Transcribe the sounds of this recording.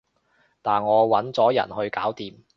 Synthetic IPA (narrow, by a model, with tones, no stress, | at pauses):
t̪aː˨nŋɔː˨˧wɐ˨˥nt͡sɔː˨˥jɐ̰˨˩nhɵ˧ɥkaː˨˥wt̪iː˨m